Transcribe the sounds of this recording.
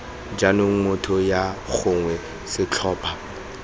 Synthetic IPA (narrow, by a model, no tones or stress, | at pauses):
d͡ʒanʊŋ̩ŋʊtʰɔjak͡xʰʊŋwɛ | sɪt͡ɬʰɔːpʰa